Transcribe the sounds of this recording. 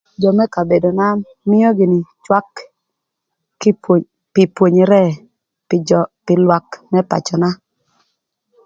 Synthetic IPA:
d͡ʒɔ˨mɛ˦ka˨be˨do˨na˦ | mɪ˦jɔ˦ɡɪ˨nɪ˨t͡ʃwa˦k | pɪ˨pwo˨ɲi˨ɾɛ˦ | pɪ˨lwa˦kmɛ˦pa̰˨t͡ʃɔ˨na˦

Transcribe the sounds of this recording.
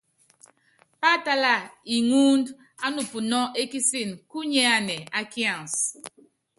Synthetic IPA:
pa˦ta˦la˦˨i˨ŋu˦nd | a˦nu˨pu˨nɔ˦e˦ki˦si˦˨nku˦ɲɛ˦a˦nɛ˨a˦kjã˦˨ns

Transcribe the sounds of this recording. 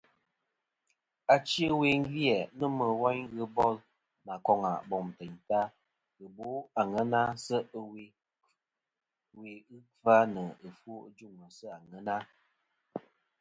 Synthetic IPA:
a˨t͡ʃə˦we˨ŋ̩˦ɡjɛ˨nə˦mə˨wa˦ɲɣɨ˦bɔ˦l | na˨kɔ˨ŋa̰˨bɔ˨mtɛ˨ɲta˦ | ɣɨ˨bo˨˦a˨ŋə˦na˦sə˦ʔwe˨ | we˨ɨ˦ka˦nə˨ə˨fwo˦ʔd͡ʒu˦˨ŋə˨sə˦a˨ŋə˦na˦

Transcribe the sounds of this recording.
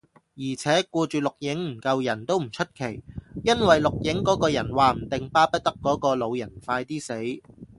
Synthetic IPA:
jiː˨˩t͡sʰɛː˨˥kuː˧t͡ʃyː˨lʊ˨k̚jɪ˨˥ŋm̩˨˩kɐ˧wjɐ˨˩nt̪o˥wm̩˨˩t͡ʃʰɵ˥t̚kʰe˨˩jjɐ˥nwɐ˨jlʊ˨k̚jɪ˨˥ŋkɔː˨˥kɔː˧jɐ˨˩nwaː˨˧m̩˨˩t̪ɪ˨ŋpaː˥pɐ˥t̚t̪ɐ˥kːɔː˨˥kɔː˧lo˨˧wjɐ˨˩nfaː˧jt̪iː˥se˨˥j

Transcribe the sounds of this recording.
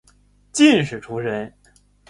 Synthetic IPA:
t͡ɕi˥˧nʂɻ̩˨˩ʈ͡ʂʰu˧˥ʂə˧˥n

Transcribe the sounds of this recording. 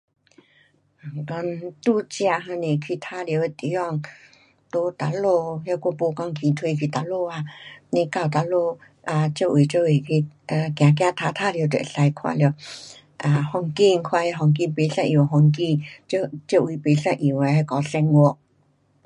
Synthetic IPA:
kɔ˧nt̪u˥˧˨t͡ɕja˧˨ɦa˧nẽ˨˧kʰi˧˨t̪ʰa˦ljo˧we˧t̪i˨˦jɔ˧ŋ | t̪o˧˦t̪a˧lo˧ja˧kɔ˧˨po˧˦kɔ˧ŋkʰĩ˧t̪ʰwe˧kʰi˧˨t̪a˧˥lo˥˧a˧nẽ˧ka˧˩˨wt̪a˧˥lo˥˧ | a˧t͡ɕjo˥˧˨ʔwe˨˩t͡ɕjo˥˧˨e˨˩kʰi˧a˧kj̃ã˨k̬jã˧t̪ʰa˧t̪ʰa˦ljo˧tɛ̰˨ɬa˧jkʰwa̰˧ljo˧ | ʔa˧hɔ˧ŋki˧ŋ˧kʰwa˧he˧ɦɔ˧˩ŋk̬i˧npe˨˦sa˥˧ʔĩ˧˩wɦɔ˧ŋk̬i˧t͡ɕo˧t͡ɕjo˥˧˨ʔwi˨˦pe˨˦sa˧ʔĩ˨we˨˧ɦa˧kɔ˨˧˦sɛ˧ŋwɔ˧

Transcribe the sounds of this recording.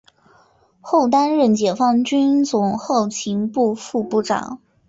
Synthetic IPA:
xo˥˩ʊt̪a˥nɻə˥˩nt͡ɕjɛ˨˩fɑ˥˧ŋt͡ɕy˥nt͡sʊ˨˩ŋxo˥˩ʊt͡ɕʰi˧˥ŋpu˥˧fu˥˧pu˥˩ʈ͡ʂɑ̰˨˩˦ŋ

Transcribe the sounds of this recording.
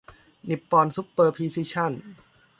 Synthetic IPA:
ni˨˩pːɔː˧nsu˦˥pːɤː˧pʰiː˧siː˧˥t͡ɕʰa˥˩˨n

